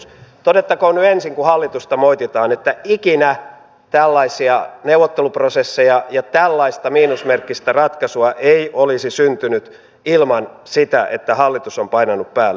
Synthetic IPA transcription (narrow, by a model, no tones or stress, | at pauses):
t̪odet̪ːɑkoːnyensiŋkuhɑlːit̪ust̪ɑmoit̪it̪ɑːnet̪ːæikinæ | t̪ælːɑisiɑneuwʋot̪ːeluprosesːejɑjɑt̪ælːɑist̪ɑmiːnusmerkːist̪ærɑt̪kɑsuɑʔeiʔolisisynt̪ynyt̪ | ilmɑn | sit̪æʔḛt̪ːæhɑlːit̪usompɑinɑnuppæːl